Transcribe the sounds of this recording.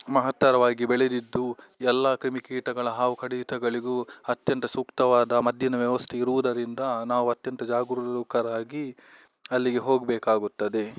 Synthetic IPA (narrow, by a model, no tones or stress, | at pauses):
mɐɦɐt̪ːɐɾɐʋaːɡibeɭed̪id̪ːuɛlːakɾimikeːʈɐɡɐɭɐɦaːʋukʰɐɽiːt̪ɐɡɐɭiɡuɐt̪jɐnt̪ɐsukt̪ɐʋaːd̪ɐmɐd̪ʱjɐnɐʋjɐʋɐst̪ʰeiɾuʋud̪ɐɾind̪ɐnaːʋuɐt̪jɐnt̪ɐd͡ʒaːɡɾuɾukɐɾaːɡi | ɐlːiɡe̞ɦo̞ːɡbɛːkaːɡut̪ːɐd̪e̞